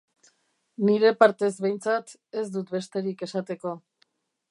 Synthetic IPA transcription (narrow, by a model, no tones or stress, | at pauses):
niɾe̞paɾt̪e̞zβe̞jnt͡sat̪ | e̞zd̪ut̪̚be̞st̪e̞ɾike̞sat̪e̞ko̞